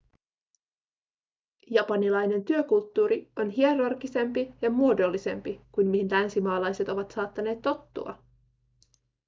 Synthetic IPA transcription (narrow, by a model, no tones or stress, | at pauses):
jɑpɑnilɑjne̞nt̪yøkult̪ːuːɾio̞nɦieɾɑrɡise̞mpijɑmuo̞do̞lːise̞mpikujnmihinlænsimɑːlɑjse̞t̪o̞ʋɑt̪sɑːt̪ːɑne̞ːt̪ːo̞t̪ːṵɑ̰